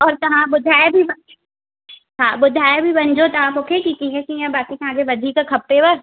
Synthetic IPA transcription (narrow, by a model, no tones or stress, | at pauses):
ɔːɾt̪ɐɦãbʊd̪ʱaːjbʱibɐ | ɦãːbʊd̪ʱaːjbʱibɐnd͡ʒot̪ɐɦãoːkekikiɦɛkijɛ̃baːkit̪ãːɡeʋɐd̪ʱikakʰɐpːeʋɐɾ